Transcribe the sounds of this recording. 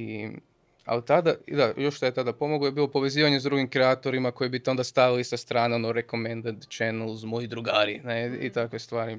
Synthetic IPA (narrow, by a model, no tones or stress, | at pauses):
i | a̰lt̪ad̪ad̪ajoʃt̪ojet̪ad̪apo̞moɡojebiːlˠo̞po̞ʋe̞ziːʋaɲezd̪ɾuɡimkɾeat̪o̞ɾimako̞jibit̪eo̞nd̪ast̪aʋilisast̪ɾaːneonoɾeko̞mend̪ant̪t͡ʃɛnelˠzmojid̪ɾuɡaːɾineḭt̪akʋest̪ʋaːɾi